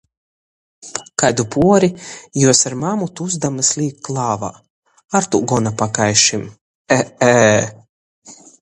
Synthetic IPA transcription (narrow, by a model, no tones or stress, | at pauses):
kajd̪upuɔɾijuɔsaɾmamut̪uuzd̪amɨslʲiːkkːlˠaːva̰ | aɾt̪uɡɔnapakajʃim | ɛɛ